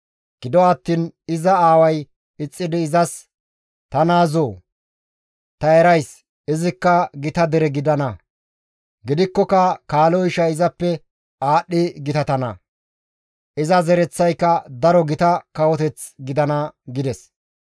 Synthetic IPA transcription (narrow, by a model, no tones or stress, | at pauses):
ɡ̥ɪd̪ɔɐt̪ːiːnɪzɐaːwɐj | ɪt͡sʼːɪd̪ɪːzɐs | t̪ɐnaːzoː | t̪ɐɛɾɐjs | ɪzɪkːɐɡɪt̪ɐd̪ɛɾɛɡɪd̪ɐnɐ | ɡɪd̪ɪkːɔkɐkaːloɪʃɐɪzɐpːɛ | aːɗːɪɡɪt̪ɐt̪ɐnɐ̰ | ʔɪzɐzɛɾɛt͡sːɐjkːɐd̪ɐɾɔɡɪt̪ɐkɐwɔt̪ɛt͡sɡɪd̪ɐnɐɡɪd̪ɛs